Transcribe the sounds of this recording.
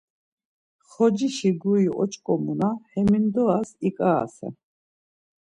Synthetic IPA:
χɔd͡ʒiʃiɡuiʔɔ̰t͡ʃʼkʼɔmunahɛmind̪ɔasikʼaːsɛ̰

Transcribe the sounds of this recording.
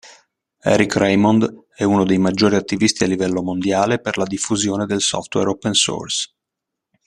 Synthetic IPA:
ɛ̰ɾikrejmɔnd̪ | ɛunod̪ejmad͡ʒːoːɾiat̪ːivist̪ialːivɛlːomond̪jaːleperlad̪ifːuzjoːned̪elsɔ̰ft̪wɛɾopːɛnso̰rs

